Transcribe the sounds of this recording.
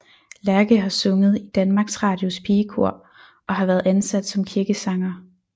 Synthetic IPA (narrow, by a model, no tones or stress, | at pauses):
læɐɡ̥əɦɑ̈sɔ̽ŋəð̞̩ˠid̥ænmɑ̈ːɡ̥sʁɑ̈ːd̥jo̝spʰiːkʰo̝ɐ̰ | ʔɒ̽ɦɑ̈ʋæɐðˠænsæd̥sɒ̽mkʰiɐɡ̥əsɑ̈ŋɐ